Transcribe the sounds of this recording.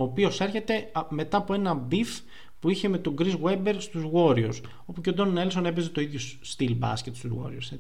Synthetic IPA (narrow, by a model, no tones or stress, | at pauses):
oːpio̞se̞ɾçe̞t̪e̞me̞t̪ɐːpoe̞nɐbif | puiçe̞me̞t̪o̞ɡɾizɣwebeɾst̪uzɣo̞ɾios | o̞pucend̪onelsonepezet̪o̞iðʝo | st̪ilbɐ̰scet̪st̪uzɣo̞̰ɾiose